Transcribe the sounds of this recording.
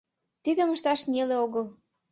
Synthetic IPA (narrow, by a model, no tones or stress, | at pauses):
t̪id̪əməʃt̪ɑʃnʲeleoɣəl